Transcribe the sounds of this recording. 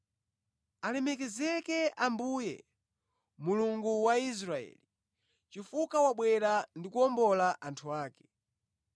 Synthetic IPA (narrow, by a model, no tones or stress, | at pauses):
alɛmɛkɛzɛkɛambujɛ̰ | muluŋɡuwais̬ɾaɛ̰li | t͡ʃifukawaɓwɛɾandikuɔmbɔlaʔantʰuaːkɛ̥